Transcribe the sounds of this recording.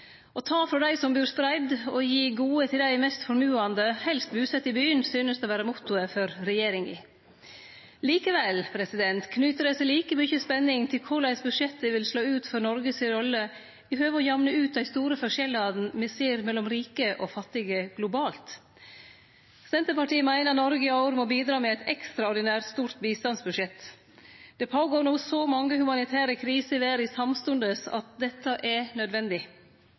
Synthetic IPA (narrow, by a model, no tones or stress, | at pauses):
ɔt̪ʰɑːfɾɔd̪æɪsɔmbyːɾspɾæɪd̪ɔjiːɡuːət̪ʰɪld̪æɪmɛst̪fɔɾmʉːɑnd̪əhɛlst̪̚bʉːsɛt̪ːɪbyːənsyːnəst̪ɔʋæːɾəmʊt̪ʊəfɔɾɾɛjeːɾɪŋɪ̰ | liːkəʋɛlpʰɾɛsɪd̪ɛnt̪kʰnʉːt̪əɾɛsɛɪliːkəmʏçəspɛnːɪŋt̪ʰɪlkʰʊɭæɪsbʉʂɛt̪ːəʋɪlsloːʉːt̪fɔɾnɔɾɡəsɪɾɔlːə | ɪhøːʋəɔjɑʋnəʉːt̪̚d̪æɪst̪uːɾəfɔʂʃɛlɑd̪n̩mɛseːɾmɛlːɔmɾiːkəʔɔfɑt̪ːɪɡəɡ̥lʊbɑːlt̪ | sɛnt̪əpɑʈiːəmæɪnəɾnɔɾɡəɪɑʊɾmɔbiːd̪ɾɑːmɛɛt̪ɛkst̪ɾɑɔɾd̪ɪnæːɾʈ̪st̪uːɾt̪biːst̪ɑnsbʉʂɛt̪ː | d̪̥ɛpʰoːɡoːɾnuːsɔmɑŋːəhʉmɑnɪt̪ʰæːɾəkʰɾiːsəʋæːɾɪsɑmst̪ʉnd̪əsɑ̰t̪̚d̪ɛt̪ːəʔɛnœd̪ʋɛnd̪ɪ